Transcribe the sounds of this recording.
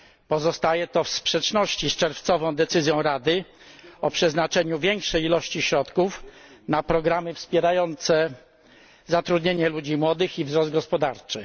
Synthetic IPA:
pɔzɔst̪ajɛt̪ɔfspʂɛt͡ʂnɔɕt͡ɕist͡ʂɛɾft̪sɔvɔ̃w̃d̪ɛt̪sɘzʲjɔ̃w̃ɾad̪ɘ | ɔpʂɛznat͡ʂɛɲuvʲjɛŋkʂɛjilɔɕt͡ɕiɕɾɔt̪kufnapɾɔɡɾamɘfspʲjɛɾajɔnt̪sɛ | zat̪ɾud̪ɲeɲɛlud͡ʑimwɔd̪ɘxivzɾɔzd̪ɡɔspɔd̪aɾt͡ʂɘ

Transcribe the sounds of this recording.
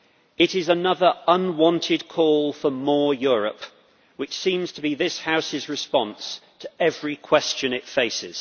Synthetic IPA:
ɪɾɪzənʌðəɹʌ̃nwɒ̃ntʰɪd̚kʰɔːlˠfəmɔːjɔːɹə̰p | wɪt͡ʃsĩmz̥tʰəbiðɪshaʊsɪzɹɪspɒ̃nstʰəɛvɹikʰw̥ɛst͡ʃɨ̃nɪtfeɪsɪ̰z̥

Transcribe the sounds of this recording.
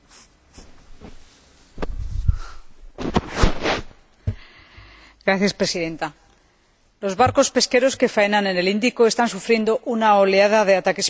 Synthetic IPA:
ɡɾaθjaspɾe̞siðe̞nt̪a | lo̞zβaɾko̞spe̞ske̞ɾo̞ske̞faenane̞ne̞lind̪ikoe̞st̪ansufɾje̞nd̪o̞ʔunaoleaðaðe̞at̪ake̞s

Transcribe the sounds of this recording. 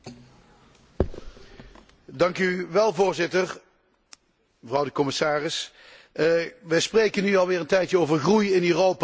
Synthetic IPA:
dɑŋkyʋɛlˠvʊːɹzɪtəɹ | məvrɑwdəkɔmɪsaːrɪs | ʋəsprejkənyɑlˠʋɪːɹəntɛjtjəowvəɹɣrujɪnøːrowp

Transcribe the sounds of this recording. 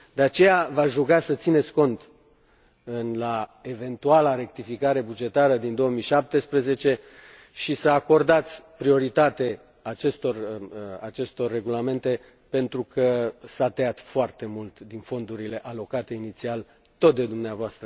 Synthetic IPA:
d̪eat͡ʃe̞javaʒukasət̪sine̞t̪sʲko̞nt̪ | ɨnlae̞ve̞nt̪ualaɾe̞k̚t̪ifikaɾe̞bud͡ʒe̞t̪aɾəd̪ind̪o̞əmiʃap̚t̪e̞spɾeze̞t͡ʃe̞ | ʃisəako̞rd̪at̪sʲpɾio̞ɾit̪at̪e | at͡ʃe̞st̪o̞ra̰t͡ʃe̞st̪o̞rːe̞ɡulame̞nt̪e̞ | pe̞nt̪ɾukəsat̪eat̪foart̪e̞mult̪d̪info̞nd̪uɾile̞ʔalo̞kat̪e̞init̪sial | t̪o̞t̪̚d̪e̞d̪umneavoast̪ɾə

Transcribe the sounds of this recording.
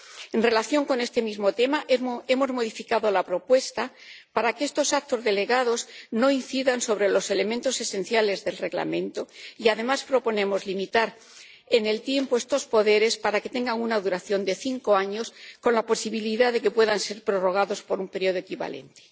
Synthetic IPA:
e̞nre̞laθjo̞ŋko̞ne̞st̪e̞mizmo̞t̪e̞maʔe̞mo̞zmo̞ðifikaðolapɾo̞pwe̞st̪a | paɾakeest̪o̞sakt̪o̞zðe̞le̞ɣað̞o̞zno̞in̟θiðanso̞β̞ɾe̞lo̞se̞le̞ment̪o̞se̞sẽ̞n̟θjale̞zðe̞lre̞ɣla̰mẽ̞nt̪o̞iað̞e̞maspɾo̞po̞ne̞mo̞zlimit̪aɾ | e̞ne̞lt̪je̞mpoest̪o̞spo̞ðe̞ɾe̞spaɾake̞t̪e̞ŋɡaŋunaðuɾaθjo̞nd̪e̞θiŋko̞aɲo̞sko̞nlapo̞siβiliðaðe̞ke̞pwe̞ðanse̞ɾpɾoro̞ɣ̞aðo̞spo̞ɾumpe̞ɾjo̞ð̞o̞ekiβa̰le̞̰nt̪e

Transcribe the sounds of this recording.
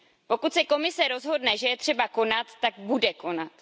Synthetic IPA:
po̞kut̪sɛko̞mɪsɛɾo̞zɦo̞dnɛʒɛjɛt̪r̝̥ɛbako̞nat̪ːaɡbudɛko̞nat̪

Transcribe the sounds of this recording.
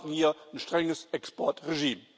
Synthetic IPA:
n̩hiːɐnʃtʁ̥ɛŋəsɛkspɔɐtʁeʒiːm

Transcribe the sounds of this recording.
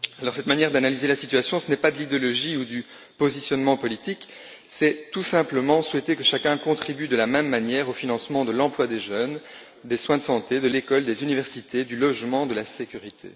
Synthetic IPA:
alɔʁsɛt̪manjɛʁd̪analizelasit̪yasjɔ̃sənɛpad̪əlid̪eɔlɔʒiud̪y | pozisjɔnmɑ̃pɔlit̪ik | sɛt̪usɛ̃pləmɑ̃swɛt̪ekəʃakʲɛ̃kɔ̃t̪χibyd̪əlamɛmːanjɛʁofinɑ̃smɑ̃d̪əlɑ̃plwad̪eʒœːn | d̪eswɛ̃d̪əsɑ̃t̪ed̪əlekɔld̪ezynivɛʁsit̪ʰed̪ylɔʒmɑ̃d̪əlasekʲyʁit̪ʰḛ

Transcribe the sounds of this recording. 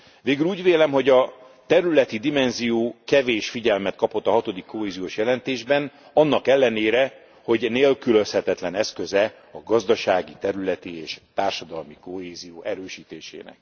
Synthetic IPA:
ʋeːɡyluːɟveːlɛmɦo̞ɟɒ | t̪ɛɾylɛt̪id̪imɛnzijoːkɛveːʃfiɟɛlmɛt̪̚kɒpo̞t̪ːɒɦɒt̪o̞d̪ikːoɦeːzijoːʃjɛlɛnt̪eːʒbɛn | ɒnːɒkɛlːɛneːɾɛ | ho̞ɟneːlkylø̞shɛt̪ɛt̪lɛnɛskø̞zɛ | ɒɡɒzd̪ɒʃaːɡit̪ɛɾylɛt̪ieːʃt̪aːrʃɒd̪ɒlmiko̞heːzijoːʔɛɾøːʃiːt̪eːʃḛːnɛ̰k

